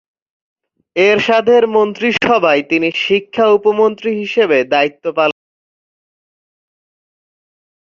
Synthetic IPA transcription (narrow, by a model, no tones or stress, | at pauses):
eɾʃad̪ʱeɾmont̪ɾiʃɔbʱaet̪iniʃikʰːaupomont̪ɾiɦiʃebed̪ait̪ːopalon